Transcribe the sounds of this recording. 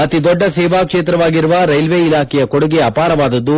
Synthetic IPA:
ɐt̪id̪ɔɖːɐseːʋaːkʂeːt̪ɾɐʋaːɡiɾuʋɐɾɐjlʋeːilaːkɛjɐkoɽuɡeɐpaːɾɐʋaːd̪ɐd̪ːu

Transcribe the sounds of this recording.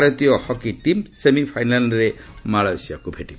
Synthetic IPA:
ɾɔt̪iɔhɔkit̪imsemipʰajnalɾemaɭajsiakubʱeʈibɔ

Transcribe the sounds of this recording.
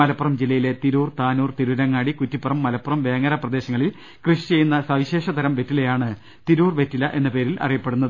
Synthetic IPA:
ɐlɐpːurɐmd͡ʑilːɐjile̞t̪iɾuːrt̪aːnuːrt̪iɾuɾɐŋːaːɽikutːipːɐrɐmːɐlɐpːurɐmʋe̞ːŋɐɾɐprɐd̪e̞ːɕɐŋːɐɭil | krɨʂit͡ɕe̞junːɐsɐʋiɕe̞ːʂɐt̪ɐɾɐmʋe̞tːile̞jaːɳɨ | t̪iɾuːrʋe̞tːilːɐʔe̞nːɐpe̞ːɾilʔɐ̰rijɐpːe̞ɽunːɐðɨɨ

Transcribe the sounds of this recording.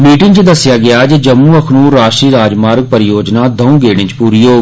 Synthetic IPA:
miːʈɪŋɡt͡ʃd̪əsːɪjaːɡɪaːd͡ʒed͡ʒəmːũːəkʰnũːɾaːʃʈɾiːɾaːd͡ʒmaːɾɡ̚pəɾɪjoːd͡ʒnaːd̪əũːɡeːɽ̃ɪ̃t͡ʃpuːɾiːoː

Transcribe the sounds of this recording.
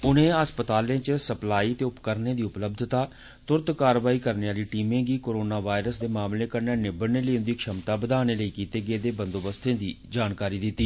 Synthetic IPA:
ʊnẽːəspət̪aːlẽːt͡ʃsəplaːiːət̪eːʊpkəɾnẽːd̪iːʊpləb̚d̪ʱt̪aː | t̪ʊɾt̪kaːɾʋaːiːkəɾneːaːliːʈiːmẽːɡiːkoːɾoːnaːʋaːɪɾəsd̪eːmaːmleːkəɾnaːneːbəneːləːʊ̃nd̪iːkʃəmt̪aːbəd̪aːñeːləiːkiːt̪eːɡɪeːd̪eːbənd̪oːbəst̪ʰẽːd̪iː | d͡ʒaːnkaːɾiːd̪ɪt̪ːiː

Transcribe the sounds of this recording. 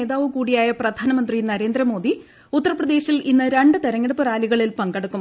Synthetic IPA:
eːðaːʋɨkuːɽijaːjɐprɐd̪ʱaːnɐmɐnd̪rinɐɾe̞ːnd̪ɾɐmo̞ːd̪i | ut̪ːɐrɐprɐd̪e̞ːɕilinːɨɾe̞ɳɖɨt̪eɾɐŋːeɽɐpːɨraːliɣɐɭilpɐŋɡɐɽɐkːum

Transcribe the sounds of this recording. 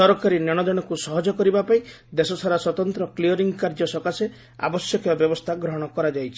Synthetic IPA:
ɔɾɔkaɾinɔɽ̃ɔd̪ɔɽ̃ɔkusɔɦɔd͡ʒɔkɔɾibapaĩ | d̪esɔsʰaɾaswɔt̪ɔnt̪ɾɔkliɔɾiŋɡkaɾd͡ʒɔsɔkase | a̰bɔsjɔkɔjɔbjɔbɔst̪ʰaɡɾɔɦɔɽ̃ɔkɔɾad͡ʒajt͡ʃʰi

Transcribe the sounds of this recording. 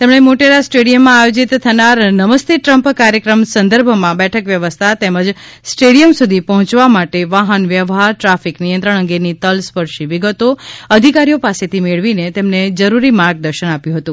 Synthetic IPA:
t̪emɳ̃emoʈeɾasʈeɽijəmːãajod͡ʒit̪t̪ʰːənaɾnəməst̪ʰeʈɾəmpkaɾjəkɾəmsənd̪əɾbʱmãbɛʈʰəkʋjəʋəst̪ʰat̪eməd͡ʒ | sʈeɽijəmsud̪ʱipəɦɔ̃t͡ʃʋamaʈeʋaɦənʋjəʋɦaɾʈɾafiknijənt̪ɾəɳ̃ə̃ŋɡenit̪əlspəɾʃiʋiɡət̪oəd̪ʱikaɾijopaset̪ʰimeɭʋinet̪emned͡ʒəɾuɾimaɾɡ̚d̪əɾʃənapjũɦət̪ũ

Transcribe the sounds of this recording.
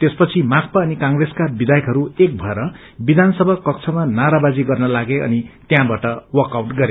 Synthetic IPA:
t̪espʌt͡sʰimak̚paʌnikãŋɡreskabid̪ajʌkɦʌɾuek̚bʱʌeɾʌ | bid̪ʱanʌsʌbʱʌkʌkt͡sʰʌmanaɾabad͡ziɡʌrnʌlaɡeʔʌ̰nit̪jãbaʈʌwʌkawʈɡʌɾe

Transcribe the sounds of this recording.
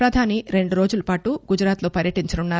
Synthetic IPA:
pɾɐd̪ʱaːniɾe̞ɳɖuɾo̞ːd͡ʒulɐpaːʈuɡud͡ʒɾaːt̪lo̞ːpɐɾjɐʈiɲt͡ʃɐnunːaːɾ

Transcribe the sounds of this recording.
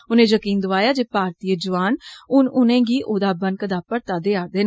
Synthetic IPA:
ʊnẽːd͡ʒəkiːnd̪ʊʋaːjaːd͡ʒeːpaːɾt̪iːəd͡ʒəʋaːnʊnʊnẽːɡiːʔoːd̪aːbənkəd̪aːpəɾt̪aːd̪eːaːd̪eːn

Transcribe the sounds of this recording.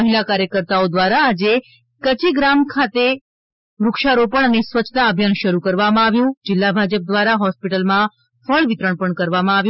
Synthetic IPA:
əɦilakaɾjəkəɾt̪aod̪ʋaɾaːd͡ʒe | kət͡ʃiɡɾamkʰat̪e | ɾʊkʃaɾopəɳənesʋət͡ʃʰːt̪aəbʱjanʃəɾukəɾʋamãaʋjõd͡ʒɪlːabʱad͡ʒəp̚d̪ʋaɾaɦɔspiʈəlmã | fəɭʋɪt̪ɾəɳpəɳkəɾʋamãaʋj̃

